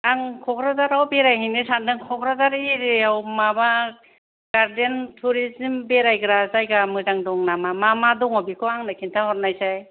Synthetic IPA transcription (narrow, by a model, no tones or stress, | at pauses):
aŋkʰɔkʰɾazaɾawbeɾajɦinesandɯŋkʰɔkʰɾazaɾeɾeawmaba | ɡ̥aɾdentʰuɾizimbeɾajkɾazajɡamɯzaŋdɔŋnamamamadɔŋabikʰɔaŋnakʰintʰahɔɾnajsaj